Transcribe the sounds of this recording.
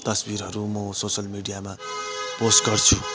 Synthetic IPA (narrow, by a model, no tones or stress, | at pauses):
t̪ʌsbiɾɦʌɾumʌsosʌlmiɽijama | posʈɡʌrt͡sʰu